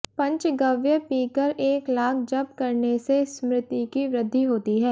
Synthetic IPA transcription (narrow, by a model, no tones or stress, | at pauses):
pɐ̃ɲt͡ʃɡɐʋjəpiːkəɾeːklaːkʰd͡ʒɐb̚kɐɾnesesmɾɪt̪ikiʋɾɪd̪ʱːiɦoːt̪iɦɛː